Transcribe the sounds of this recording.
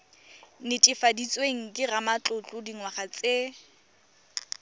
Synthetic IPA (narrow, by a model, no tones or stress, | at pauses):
nɪtʼɪfadit͡sʼweŋ̩kʼɪramat͡ɬʼʊt͡ɬʼʊdiŋwaχat͡sʼe